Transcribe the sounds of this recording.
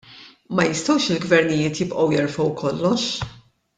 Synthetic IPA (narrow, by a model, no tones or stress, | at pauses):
mɐjɪst̪ɔwʃɪlɡvɛɾnɪjɪːt̪jɪpʔɔwjɛɾfɔwkʰɔlːɔʃ